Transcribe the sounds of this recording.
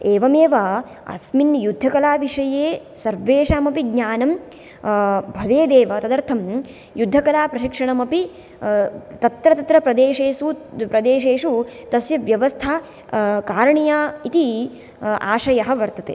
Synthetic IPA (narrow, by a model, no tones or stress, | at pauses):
eːʋɐmeːʋɐ | ɐ̰sminjud̪ʱːɐkɐlaːʋiʂɐjeː | sɐɾʋeːʂaːmɐpiɡɲaːnɐm | bʱɐʋeːd̪eːʋɐt̪ɐd̪ɐɾt̪ʰɐm | jud̪ʱːɐkɐlaːpɾɐʃikʂɐɳɐmɐpi | t̪ɐt̪ɾɐt̪ɐt̪ɾɐpɾɐd̪eːʃeːʃupɾɐd̪eːʃeːʂut̪ɐsjɐʋjɐʋɐst̪ʰaː | kaːɾɐɳijaːit̪i | a̰ːʂɐjɐɦɐʋɐɾt̪ɐt̪ḛː